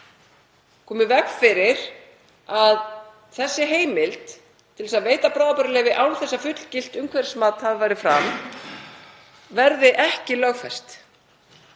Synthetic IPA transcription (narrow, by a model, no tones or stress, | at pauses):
kʰɔːmɪvɛkfɪɾɪɾ | að | θɛsːɪɦeːjmɪlt̪ | t̪ʰːɪlsaðveːjt̪apɾaːwðapœɾɪlɛːɣvɪʔawnθɛsːafʏt̪l̥cɪl̥t̪ʏmkʰvɛɾ̥smaːt̪haðvaːjɾɪfɾam | vɛɾðɪʔɛhcɪlœɣfɛst̪